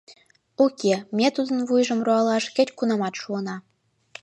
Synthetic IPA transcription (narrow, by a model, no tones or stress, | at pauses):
okʲemʲet̪ud̪ə̆nvujʐɤ̆mruɑlˠɑʂkʲɘ̆tʲkunɑmɑt̪ʃuɤnɑ